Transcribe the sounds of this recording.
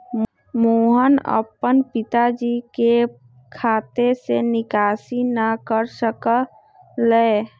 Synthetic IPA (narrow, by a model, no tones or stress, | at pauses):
moːɦənə̰pənpɪt̪ad͡ʒike | kʰaːt̪esenɪkaːsinəkəɾsəkə | lə